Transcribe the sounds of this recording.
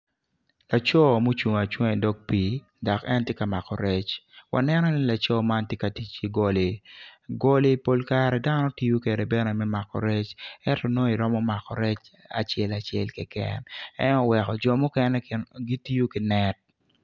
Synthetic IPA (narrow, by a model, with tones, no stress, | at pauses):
la˨t͡ʃɔ˦mo˦t͡ʃu˨ŋa˨t͡ʃwɛ˦˨dɔ˦k̚pi˨ | dɔ˨kɛ˦ntje˦ka˨ma˨kɔ˨ɾe˦t͡ʃwa̰˨nɛ˦nɔ˦ni˦la˨t͡ʃɔ˦ma˦ntje˦ka˨ti˨t͡ʃi˦ɡo˨le˨ɡo˦le˦po˦lka˦ɾɛ˨da˦nɔ˦ti˦ju˦ke˨ɾɛ˨bɛ˦nɛ˨mɛ˦ma˨kɔ̰˨ɾe˦t͡ʃɛ˦tɔ˨no˦i˨ɾɔ˦mɔ˦ma˨kɔ˨ɾɛ˦t͡ʃa̰˨t͡ʃjɛ˦la˨t͡ʃjɛ̰˨lkɛ˨kɛ̰nɛ̰˦nɔ˨wɛ˨kɔ˨d͡ʒɔ˨mʊ˦kɛ˦nɛ˦ɡi˦ti˦ju˦kɪ˨nɛ˦t̚